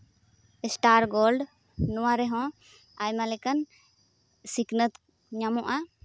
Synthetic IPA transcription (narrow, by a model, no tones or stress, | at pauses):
ɛsʈaɾɡolɖ | nuwaɾɛɦɔ̃ | ajmalɛkən | siknət̪ | ɲamɔʔa